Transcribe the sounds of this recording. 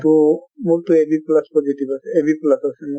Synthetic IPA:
tʊmuktʊebiplaspɔzitibasɛebiplasasɛmʊ

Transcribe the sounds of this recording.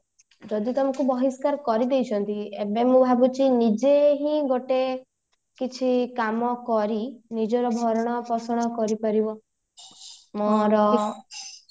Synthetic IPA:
d͡ʒɔd̪it̪ɔmɔ̃kubɔɦiskaɾkɔɾid̪ejt͡ʃʰɔnt̪iebemũbʱabut͡ʃinid͡ʒeɦĩɡoʈe | kit͡ʃʰikamɔkɔɾinid͡ʒɔɾɔbʱɔɾɔɽ̃ɔpɔsɔɽ̃ɔkɔɾipaɾibɔ | mɔɾɔ

